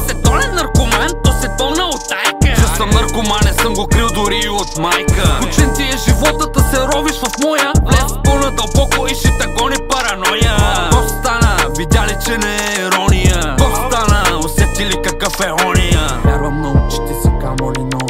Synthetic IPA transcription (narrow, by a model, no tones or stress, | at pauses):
sɛt̪ɔlɛnɐɾkʊmɛnt̪ːɔsɛpəlˠnəot̪ːajkt͡ʃɛsəmnɐɾkʊmanɛsəmɡokɾilˠd̪ʊɾiot̪majkəut͡ʃɛnt̪iɛʒivɔt̪ət̪ɐsɛɾɔbiʃofmɔjəlɛspəlˠnəd̪ɐlˠpɔkʊiʃit̪ɐɡɔnipɐɾɐnɔjək̪ɔst̪anəvid̪ʲalit͡ʃɛnɛɛiɾɔnijək̪ɔst̪anəosɛt̪ilikɐkəfɛɔnijə | a̰vɐmnɐɡuʊt͡ʃɛ̥t̪ɛsɛkamolinɔ